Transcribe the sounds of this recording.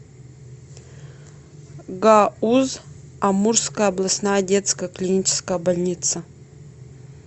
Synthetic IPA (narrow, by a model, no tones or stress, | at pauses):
ɡauzɐmurskəjəɐblˠɐsnajədʲet̪skəjəklʲinʲit͡ɕɪ̥skəjəbɐlʲnʲit̪sə